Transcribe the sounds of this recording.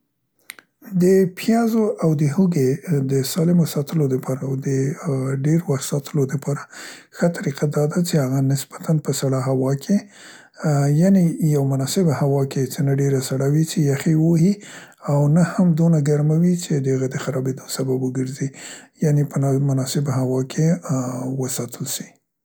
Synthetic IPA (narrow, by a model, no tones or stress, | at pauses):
d̪əpʰjɑzoʔawd̪əhuɡed̪əsɑlɪmosɑt̪əlod̪əpʰɑɾawd̪əɖeɾowasɑt̪ʰəlod̪əpʰɑɾaxət̪ʰaɾiqʰad̪ɑd̪at͡ʃehaɣanɪsb̥at̪ʰanpəsaɽaɦawɑkʰe | janejawmʊnɑsɪbhawɑket͡sənaɖeɾasaɽawit͡ʃejaxewohi | awnahamd̪onaɡaɾmawit͡ʃed̪əhaɣad̪əxaɾɑbed̪osababwəɡəɾzijanepənmʊnɑsɪbɦawɑkʰe | wəsɑt̪ʰəlʃi̥